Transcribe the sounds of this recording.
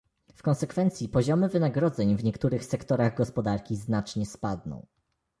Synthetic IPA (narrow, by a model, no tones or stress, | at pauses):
fkɔ̃ñsɛkfɛnt̪sʲjipɔʑɔmɘvɘnaɡɾɔd̪zɛɲvɲɛkt̪uɾɘxsɛkt̪ɔɾaɣɡɔspɔd̪aɾkʲiznat͡ʂɲɛspad̪nɔ̰̃w̃